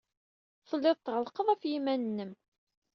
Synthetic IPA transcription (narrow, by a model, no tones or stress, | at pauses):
θˤəlːɪðˤt̪ːʁəlqəðˤæfjimænənːəm